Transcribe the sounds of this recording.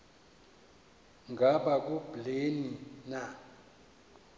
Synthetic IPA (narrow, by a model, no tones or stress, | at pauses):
ŋɡʱaɓak̬ʼub̥lenina